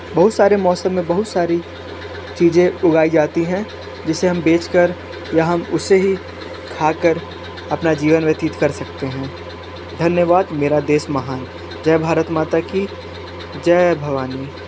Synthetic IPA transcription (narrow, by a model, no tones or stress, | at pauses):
bɐɦʊt̪saːɾemɔːsəmːẽbɐɦʊt̪saːɾi | t͡ʃiːzẽʊɡaːid͡ʒaːt̪iɦɛ̃ | d͡ʒɪseɦɐmbeːt͡ʃkəɾ | jaɦɐmʊseɦi | kʰaːkəɾ | ɐpnad͡ʒiːʋənʋjɐt̪it̪kɐɾsɐkt̪eɦɛ̃ː | d̪ʱɐnjəʋaːd̪meːɾad̪eːsmɐɦaːn | d͡ʒɛːbʱaːɾət̪maːt̪aki | d͡ʒɛːbʱɐʋaːniː